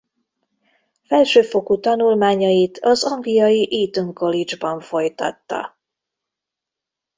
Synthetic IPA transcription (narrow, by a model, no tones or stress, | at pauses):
fɛlʃøːfo̞kut̪ɒnulmaːɲɒjit̪ʰɒzɒŋɡlijɒjiʔiːt̪uŋko̞lid͡ʒbɒɱfo̞jt̪ɒ̰t̪ːɒ̰